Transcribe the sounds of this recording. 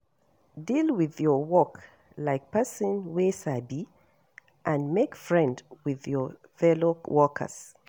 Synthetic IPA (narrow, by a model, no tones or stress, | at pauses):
dilwiðjɔwɔk | laɪk̚pɛsə̃nwesabi | ʔãnmekfɹɛ̃ndwɪðjɔ | fɛlowɔkʰə̰s